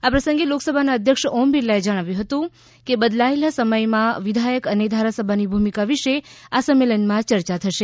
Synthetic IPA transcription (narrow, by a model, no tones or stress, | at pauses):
apɾəsə̃ŋɡeloksəbʱanaəd̪ʱjəkʃɔmbilːaed͡ʒəɽ̃aʋjũɦət̪ũ | kebəd̪laelasəməjmãʋid̪ʱajəkəned̪ʱaɾasəbʱanibʱumikaʋiʃeasəmːelənmãt͡ʃəɾt͡ʃat̪ʰəʃe